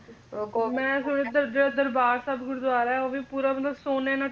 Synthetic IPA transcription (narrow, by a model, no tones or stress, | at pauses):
mɛ̃ːsʊned̪əd̪d̪əɾbaːɾsaːbɡʊɾʊd̪ʋaːɾaːɛoːʋiːpuːɾaːmət̪ləbsoːneːnãː